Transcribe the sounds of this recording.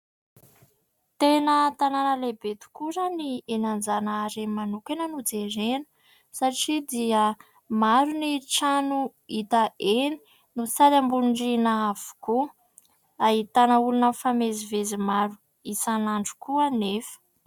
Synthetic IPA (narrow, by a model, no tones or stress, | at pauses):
t̪enət̪ananəlebet̪u̥kuɾanienand͡zanəːɾemanukenənud͡zeɾenə̥ | saʈ͡ʂid̪iə | maɾuniʈ͡ʂanu | it̪əʔeni̥ | nusalambuɳɖ͡ʐinaav̥u̥ku | aɦit̪anəulunəfamezivezimaɾu | isanaɳɖ͡ʐu̥kuanefə̥